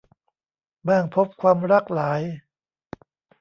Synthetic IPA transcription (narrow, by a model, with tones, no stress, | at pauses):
baː˥˩ŋpʰo˦˥p̚kʰwaː˧mɾa˦˥˩k̚laː˩˦j